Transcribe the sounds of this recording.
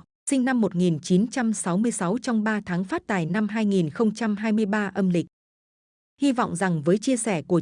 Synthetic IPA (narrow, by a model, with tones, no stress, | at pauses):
sï˧ŋ̟na˧mːo˨˩t̚ŋi˨˩nt͡ɕi˨˦nt͡ɕa˧msa˨˦wmɨ˧əjsa˨˦wt͡ɕɔ˧wŋ͡mɓaː˧t̪ʰaː˨˦ŋfaː˦˥t̚t̪a̰ː˨˩jna˧mɦaː˧jŋi˨˩nxə˧wŋ͡mt͡ɕa˧mɦaː˧jmɨ˧əjɓaː˧ʔə˧mlï˨˩k̟̚ | hi˧vɔ̰˧˨wŋ͡mza˨˩ŋvəː˨˦jt͡ɕi˧əsɛ˧˩ku˧˩ə